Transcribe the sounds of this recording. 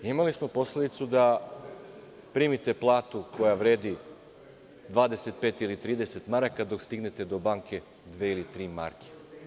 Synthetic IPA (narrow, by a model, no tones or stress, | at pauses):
imalismo̞po̞sle̞d̪it̪sud̪a | pɾiːmit̪e̞plˠaːt̪uko̞jaʋɾe̞ːd̪i | d̪ʋaːd̪e̞se̞t̪̚peːt̪ilit̪ɾiːd̪e̞se̞t̪maɾakad̪o̞kst̪iɡne̞t̪e̞d̪o̞baːŋkʰe̞ | d̪ʋeilit̪ɾiːma̰ɾke̥